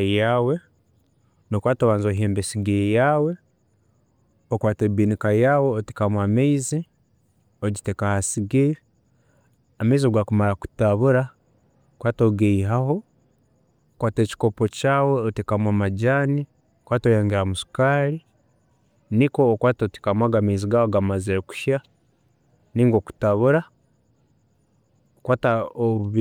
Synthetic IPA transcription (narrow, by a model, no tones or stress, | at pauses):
jawe̞ | nokwaːtoβaːnzoːɦeːmbesiɡejawe̞ | okwaːtebiːnikajaweotekamwaːmeizi | oɟitekahasiɡe | ameizioɡwaːkumaɾaku̥taβuɾa | okwaːtoɡeiɦaho̞ | kwaːte̞ci̥ko̞po̞caːwe̞otekamwamaɟaːni | okwaːtojaːŋɡeɾamusu̥kaːɾi | niko̞ːkwaːtote̥kamwaːɡameiziɡahoɡamaziɾeku̥ʃja | niːŋɡoku̥taβuɾa | okwaːtaoβuβi